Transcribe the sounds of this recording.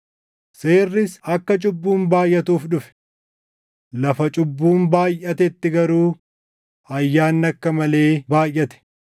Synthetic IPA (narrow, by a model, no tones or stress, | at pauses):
seːrːɪsɐkːɐt͡ʃʼʊbːuːmbaːjʔːɐt̪uːfᶑʊfɛ̥ | lɐfɐt͡ʃʼʊbːuːmbaːjʔːɐt̪ɛt̪ːɪɡɐɾuː | ɐjːaːnːɐkːɐmɐle̞ːbaːjʔɐt̪ɛ̥